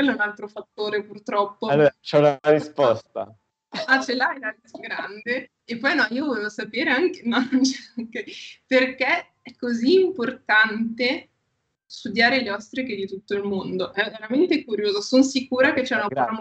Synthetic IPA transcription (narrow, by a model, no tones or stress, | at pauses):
elɛunalt̪ɾofat̪ːoːɾepurt̪ɾɔpːoalːoːat͡ʃɛunaɾispɔst̪a̰ | at͡ʃɛlajlaɾisɡɾand̪e | epːɔjnɔiːovɔlevosapeːɾeaŋk̟enanont͡ʃeaŋkeperke | ɛkːoziːmport̪ant̪e | st̪ud̪jaːɾeleɔst̪ɾeked̪it̪ut̪ːoilmond̪oʔɛveɾament̪ekuɾjoːzosonsikuːɾaket͡ʃːɛunaa